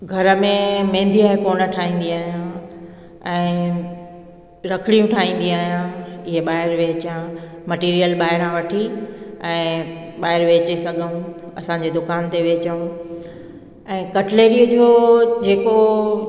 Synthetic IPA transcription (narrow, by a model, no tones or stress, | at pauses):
ɡʱɐɾə̆mẽmẽːnd̪ʱiaːɦekoːnə̆ʈʰaːɦĩːn̆d̪iaːɦijã | ɛ̃ː | ɾɐkʰɪɽ̃ijũʈʰaːĩːn̆d̪ĩaːɦijãɪɦeɓaːɦɪɾʋeːt͡ɕãmɐʈiːɾijəlɓaːɦɪɾãʋɐʈʰiɛ̃ː | ɓaːɦɪɾʋeːt͡ɕesɐɡʱəũ | ɐsãɲ̆d͡ʑeːd̪ʊkaːnt̪eʋeːt͡ɕəũ | ɛ̃ːkɐʈleːɾiːəd͡ʑoːd͡ʑeːko